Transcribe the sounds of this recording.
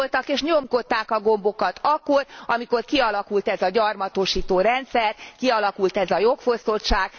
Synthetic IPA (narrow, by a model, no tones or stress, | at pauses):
lt̪ɒkeːʃɲomko̞t̪ːaːkɒɡo̞mbo̞kɒt̪ʰɒkːo̞rɒmiko̞rkiɒlɒkult̪ɛzɒɟɒrmɒt̪oːʃiːt̪oːɾɛnt̪sɛrkiɒlɒkult̪ɛzɒjo̞kfo̞st̪oʃaːɡ̥